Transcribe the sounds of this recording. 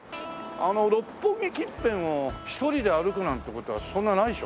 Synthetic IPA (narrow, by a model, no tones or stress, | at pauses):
ano̞ɾo̞pːõŋɡʲikʲĩmpẽ̞ɰ̃oçi̥t̪o̞ɾʲid̪e̞aɾɯkɯ̟nãnt̪ːekot̪o̞βasõ̞nːanaiɕo